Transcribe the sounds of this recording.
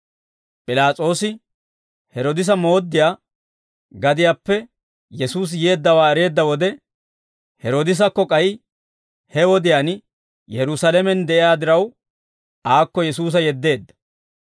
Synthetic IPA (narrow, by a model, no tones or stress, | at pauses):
pʼɪlaːt͡sʼo̞ːsɪ | hɛɾɔd̪ɪs̬ɐmo̞ːd̪ːɪjaː | ɡɐd̪ɪjaːpːɛ | jɛsuːs̬jeːd̪ːɐwaːɛɾe̞ːd̪ːɐwɔd̪ɛ | hɛɾoːd̪ɪs̬ɐkːɔkʼɐj | hɛwɔd̪ɪjaːn | jɛɾʊsɐlɛmɛnd̪ɛʔɪjaːd̪ɪɾɐw | aːkːɔjɛsuːs̬ɐjɛd̪ːe̞ːd̪ːɐ̥